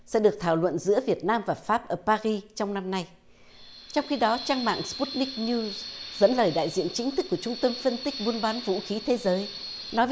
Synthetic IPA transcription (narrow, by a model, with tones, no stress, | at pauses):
sɛ̰˧˥ɗɨ˨˩ək̚t̪ʰaː˧˩wlwə̰˧˨nzɨ̰˧˥əvi˨˩ət̚naː˧mvaː˨˩faː˦˥p̚ʔəː˧˩paː˧ɣi˧t͡ɕɔ˧wŋ͡mna˧mna˧j | t͡ɕɔ˧wŋ͡mxi˧ɗɔ˨˦t͡ɕaː˧ŋma̰ː˧˨ŋspu˦˥t̚nï˦˥k̚nu˧zzə̰˧˥nləː˨˩jɗa̰ː˧˨jzḭ˧˨ənt͡ɕï˨˦ŋ̟t̪ʰɨ˦˥k̚ːət͡ɕʊ˧ŋ͡mt̪ə˧mfə˧nt̪ï˦˥k̚ɓu˨˧ənɓaː˨˦nvṵ˧˥xi˨˦t̪ʰe˨˦zəː˨˦j | nɔ˨˦j